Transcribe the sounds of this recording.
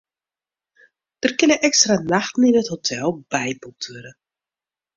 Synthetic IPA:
d̥ərkɪnəʔɛkstranaxtn̩inəthotʰɛlˠbɛjbɔtʰyɾə

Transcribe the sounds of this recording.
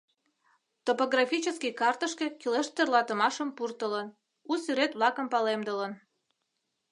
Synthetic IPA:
t̪opoɣrɑfʲit͡ɕəskijkɑrt̪əʃkekileʃt̪erlɑt̪əmɑʃəmpurt̪ələn | usyɾet̪βlɑkəmpɑlemd̪ələn

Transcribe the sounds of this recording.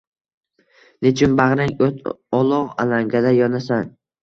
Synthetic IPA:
net͡ʃʰɪnbaʁɾaŋot̪ʰɒlˠɒʁa̰laŋɡʲad̪ajɒnasan

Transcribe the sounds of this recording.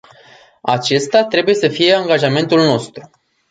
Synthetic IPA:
a̰t͡ʃe̞st̪at̪ɾe̞buje̞səfije̞aŋɡaʒame̞nt̪ulno̞st̪ɾu

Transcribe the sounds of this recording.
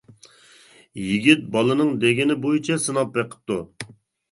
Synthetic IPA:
jiɡʲit̪̚bɑlˠɨnɨŋd̪eɡʲɪnɪbojit͡ʃʰɛsɨnɑp̚beqʰə̥p̚t̪ʰːu

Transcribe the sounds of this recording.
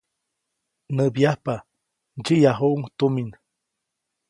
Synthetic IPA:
nəbjahpa | d͡ʒijaɦuuŋt̪umin

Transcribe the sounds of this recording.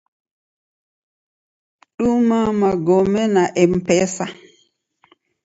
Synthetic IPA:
ɗumamaɡɔmɛnaʔɛmpɛsa

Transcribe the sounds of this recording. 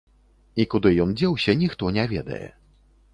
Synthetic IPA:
ikud̪ɨjɔnd͡zʲɛwɕʲɐnʲixt̪ɔnʲɛvʲɛ̰d̪ɐ̰jɛ̰

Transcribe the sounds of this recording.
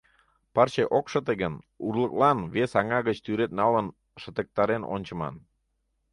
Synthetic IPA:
pɑrt͡ɕeʔokʃə̆t̪eɣən | urləklɑnβesɑŋɑɣət͡ɕt̪yɾet̪̚nɑlən | ʃə̆t̪ə̆k̚t̪ɑɾeno̰nʲt͡ɕə̆mɑ̰n

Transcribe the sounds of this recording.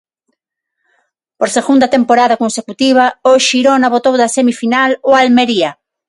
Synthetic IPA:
poɾseɣund̪ɐt̪empoɾaðɐkonsekut̪iβ̞ɐoʃiɾonaβot̪owðɐsemifinaloalmeɾiɐ

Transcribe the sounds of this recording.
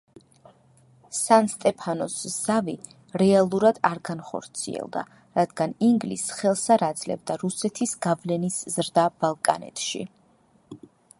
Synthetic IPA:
sanst̪ʼɛpʰanɔsz̥avi | ɾɛalˠuɾad̪̥aɾɡanχɔ̰ɾt̪sʰḭɛ̰lˠd̪a̰ | ɾad̪ɡaniŋɡlisχɛlˠsaɾad̪zlɛ̰bd̪aɾusɛt̪ʰisɡ̥avlɛniszɾd̪ab̥alˠkʼa̰nɛ̰t̪ʰʃḭ

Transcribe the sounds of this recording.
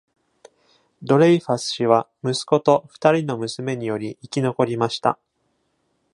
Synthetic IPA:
d̪o̞ɾeiɸasɨ̥ɕiβ̞amɯ̟sɨ̥ko̞t̪o̞ɸɯ̥t̪aɾʲino̞mɯ̟sɨme̞ɲ̟ijo̞ɾʲiːkʲino̞ko̞ɾʲimaɕi̥t̪a̰

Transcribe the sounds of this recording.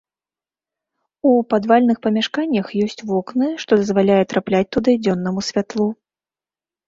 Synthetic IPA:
upad̪valʲnɨxpɐmʲaʂkanʲːɐxjɔsʲt͡sʲvɔknɨʂt̪ɔd̪ɐzvalʲajɛt̪ɾaplʲat͡sʲt̪ud̪ɨd͡zʲɔnːɐmusʲvʲat̪lˠu

